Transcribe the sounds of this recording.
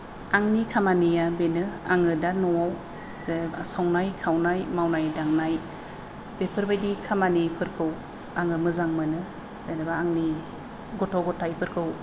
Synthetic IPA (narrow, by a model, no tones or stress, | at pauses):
aŋnikʰamanijabenɯaŋɯdanɔaw | zebasɔŋnajkʰawnajmawnajdaŋnaj | b̥epʰɯɾbajdikʰamanipʰɯɾkʰɯw | aŋɯmɯzaŋmɯnɯ | z̥eɾɯbaːŋni | ɡɔtʰɔɡɔtʰajpʰɯɾkʰɯw